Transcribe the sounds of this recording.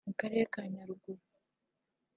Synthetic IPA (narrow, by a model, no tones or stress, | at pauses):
mukaɾe̞ɾekaːɲaɾuɡu